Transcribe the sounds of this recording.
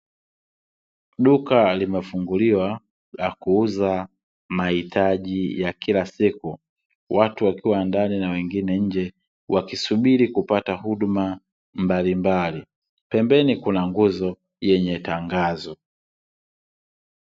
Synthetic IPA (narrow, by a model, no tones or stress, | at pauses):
ɗukalimɛfuŋɡuliwa | lakuuza | mahitʰaʄijakilasiku | watuwakiwandaninawɛŋɡinɛɲ̩d͡ʒɛ | wʔakisuɓiɾikupatahuɗuma | mbalimbali | pɛmbɛnikunaŋɡuzɔ | jɛɲɛtaŋɡazɔ